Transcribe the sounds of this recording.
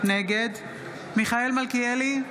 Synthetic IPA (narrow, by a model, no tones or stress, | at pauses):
neɡed̪ | miχaelmalkieli